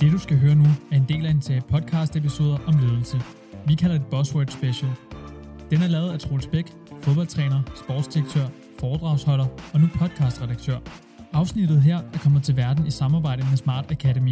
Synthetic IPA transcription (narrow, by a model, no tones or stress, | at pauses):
d̥e̝d̥usɡ̥æɦøːɐnuæɐe̝nd̥e̝̰ːlædensʰɛpʰɒ̽d̥̚kʰɑ̈ːsd̥epʰiso̝ːð̞ˠɐʔɒ̽mle̝ːðˠl̩sə | ʋikʰæl̰ɐe̝d̥̚b̥ɒ̽swød̥sb̥eɕɛl | d̥enæɐlɛːʊðˠæt͡sʰʁo̝lsb̥eɡ̥ | foð̞ˠb̥ɒ̽l̰t͡sʰʁɛːnɐsb̥ɔ̰ːd̥sd̥iɐɡ̥̚t͡sʰøɐ̰ | fɒːd̥ʁɑ̈ʊshɒ̽l̰ɐɒ̽nupʰɒ̽d̥̚kʰɑ̈ːsd̥ʁɛɾɑ̈ɡ̥̚t͡sʰøɐ̰ | ɑ̈ʊsnid̥ð̞̩ˠɦeɐ̰æɐkʰɒ̽m̰ð̩ˠt͡sʰe̝lʋæɐd̥n̩isɑ̈mɑ̈ːbɑ̈ɪ̰d̥əmesmɑ̰̈ːd̥ækʰæɾemḭ